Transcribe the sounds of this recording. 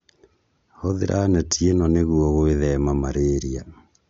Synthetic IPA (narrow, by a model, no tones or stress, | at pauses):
hoðḛɾʔanɛtienɔneɣuɔɣoeðɛmamaɾeːɾia